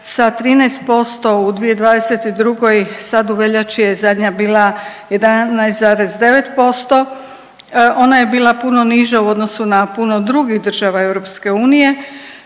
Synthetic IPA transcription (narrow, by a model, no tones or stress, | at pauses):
sat̪ɾiːnɛjst̪̚po̞st̪o̞ud̪ʋije̞d̪ʋaːd̪e̞se̞t̪id̪ɾuɡo̞jsad̪uʋe̞ʎat͡ʃije̞zad̪ɲabiːlˠa | je̞d̪anajst̪zaːɾe̞zd̪e̞ʋe̞t̪po̞st̪o | ʔo̞naje̞biːlˠapuno̞niʒauo̞d̪no̞sunapuno̞d̪ɾuɡixd̪r̩ʒaʋae̞wɾo̞pske̞uːnije̞